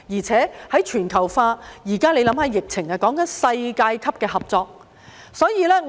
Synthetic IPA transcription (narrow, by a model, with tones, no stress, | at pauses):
jiː˨˩t͡sʰɛː˨˥hɐ˨˥jt͡ʃʰyː˨˩nkʰɐ˨˩wfaː˧jiː˨˩kaː˥le˨˧jlɐ˨˧˥mhɐ˨˧˥jɪ˨k̚t͡sʰɪ˨˩ŋaː˧kɔː˨˥ŋkɐ˨˦nsɐ˧jkaː˧jkʰɐ˥p̚kɛː˧hɐ˨p̚t͡sɔː˧k̚ | sɔː˨˥jiː˨˧lɛː˥ŋ